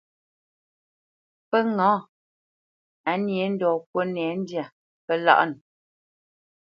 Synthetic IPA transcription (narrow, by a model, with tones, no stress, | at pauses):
pə˦ŋɔ̃˨˦ | a˨˦nje˨˦n̩˦dɔː˨kwo˦nɛ˨˦n̩˦dja˨ | pə˦la̰˦ʔn˨